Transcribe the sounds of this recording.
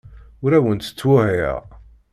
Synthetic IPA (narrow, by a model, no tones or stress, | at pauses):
ʊɾæwənt̪ə̥t͡sːwʊhḭʁ